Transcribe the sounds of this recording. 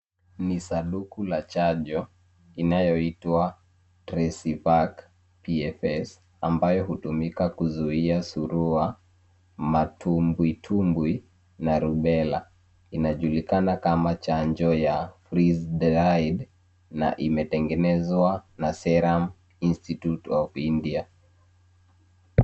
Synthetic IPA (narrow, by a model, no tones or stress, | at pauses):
nisaɗukulat͡ʃaʄɔ | inajɔitwa | tɾɛsivak | piɛfɛs | ambajɔhutumikakuzuiasuɾua | matʰumbwitʰumbwi | naɾuɓɛla̰ | inaʄulikanakamat͡ʃaɲd͡ʒɔjafɾizdɾaid | na̰ʔimɛtɛŋɡɛnɛzwanasɛɾam | institjutɔvindia